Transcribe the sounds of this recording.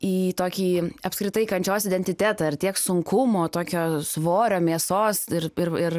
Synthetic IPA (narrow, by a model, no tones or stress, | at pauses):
iːt̪oːkʲiːɐpskɾʲɪt̪ɐɪkɐnʲt͡ʃʲoːsɪd̪ʲɛnʲt̪ʲɪt̪ʲæːt̪ɐːɪɾt̪ʲiɛksʊŋkʰʊmoːt̪oːkʲoːsʋoːɾʲoːmʲiɛsoːsɪrɪrɪr